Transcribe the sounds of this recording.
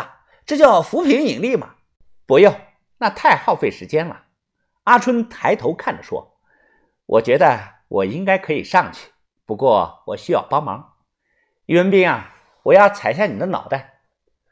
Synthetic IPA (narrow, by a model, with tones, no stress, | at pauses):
ʈ͡ʂɤ˥˧t͡ɕjɑ˥˩ʊfu˧˥pʰi˧˥ŋi˨˩ŋli˥˩mɐ̰˩ | pu˧˥jo˥˩ʊ | na˥˧t̪ʰa˥˧ɪxɑ˥˧ʊfe˥˩ɪʂɻ̩˧˥t͡ɕjɛ˥nlə̰˩ | a˥ʈ͡ʂʰwə˥nt̪ʰa˧˥ɪt̪ʰo˧˥ʊkʰa˥˩nd̪ə˨˩ʂwɔ̰˥ | wʔɔ̰˨˩t͡ɕɥɛ˧˥d̪ə˧ | wʔɔ˨˩i˥ŋka˥ɪkʰɤ˧˥ḭ˨˩ʂɑ˥˩ŋt͡ɕʰy̥˥˩ | pu˧˥kwɔ˥˩wɔ˨˩ɕy˥jɑ˥˩ʊpɑ˥ŋmɑ̰˧˥ŋ | i˥˩wə˥npi˥˩ŋɐ˨˩ | wɔ˨˩jɑ˥˩ʊt͡sʰa˨˩ɪɕ̬ja˥˩ni˨˩d̪ə˦nɑ̰˨˩ʊt̪a˥˩ɪ